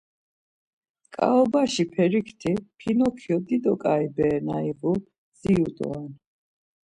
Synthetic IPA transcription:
kʼa̰ɔbaʃipʰɛɾikʰt̪ʰipʰinɔkʰiɔd̪id̪ɔkʼaibɛːnaivu | z̥iut̪ʼɔ̰an

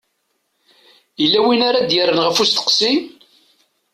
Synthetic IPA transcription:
jəlːæwinaɾad̪jərːənʁəfust̪ə̥qsim

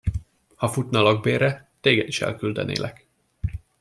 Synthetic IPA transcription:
hɒfut̪nɒlɒɡ̚beːɾɛt̪eːɡɛd̪iʃɛ̰lkyld̪ɛ̰nḛːlʔɛk

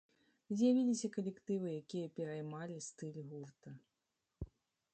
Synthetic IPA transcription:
zʲjavʲilʲisʲɐkɐlʲɛkt̪ɨvɨjakʲijɐpʲɛɾɐjmalʲist̪ɨlʲɣurt̪ɐ

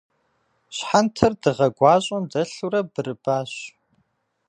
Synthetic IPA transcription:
ɕħantʰɐrdɨʁɐɡʷɑːɕʼɐndɐɬuɾɐbɨɾɨbaːɕ

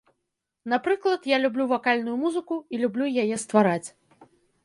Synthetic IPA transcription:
napɾɨklˠɐt̪jalʲublʲuvakalʲnujumuzɨkuilʲublʲujajɛst̪vaɾat͡sʲ

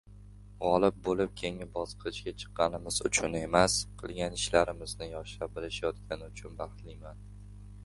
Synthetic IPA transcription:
ʁɒlˠɪb̚bolɪp̚kʲʰe̞ŋɪbɒsqʰɨɪt͡ʃkʲat͡ʃʰɨ̥qːɑnɪmɪzʊ̰t͡ʃʰʊne̞masqʰɨlˠɡʲanɪʃlaɾɪmɪznɪjɒʃap̚bɪlɪʃajɒt̪̚kʲʰanɪʊt͡ʃʰʊnbɑχt̪lɪjman

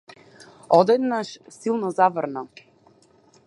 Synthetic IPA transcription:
ɔd̪ɛd̪naʃsilˠnɔzavrnɔ

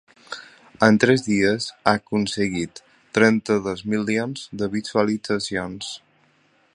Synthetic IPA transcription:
ənt̪ɾɛzðiəzakunsəɣit̪ː | ɾɛnt̪əðozmilˠionz̥d̪əβit̪uəlid͡zəsions

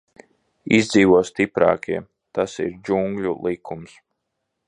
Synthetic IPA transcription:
izd̪ziːʋuɔst̪ipɾɑ̰ːkiɛ | t̪asḭɾd͡ʒuŋɡʎʲulˠikʰums

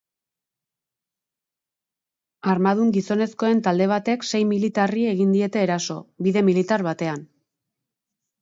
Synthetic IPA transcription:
aɾmað̞uŋɡiso̞ne̞sko̞e̞nt̪ald̪e̞β̞at̪e̞kse̞jmilit̪arie̞ɣind̪ie̞t̪e̞ːɾaso̞̰biðe̞milit̪aɾβat̪e̞an

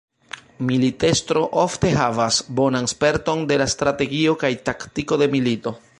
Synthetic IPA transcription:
milite̞stɾo̞ʔofte̞ɦavasbo̞nanspe̞ɾto̞nde̞lastɾate̞ɡio̞kajtaktiko̞de̞milito̞

